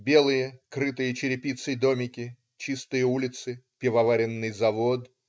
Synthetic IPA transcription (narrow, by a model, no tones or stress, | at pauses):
bʲe̞lˠɨjəkɾɨt̪ɨjət͡ɕɪɾʲɪpʲit̪sɨjd̪o̞mʲɪkʲɪ | t͡ɕist̪ɨjəulʲɪt̪sɨpʲɪvɐvaɾʲɪnːɨjzɐvo̞t̪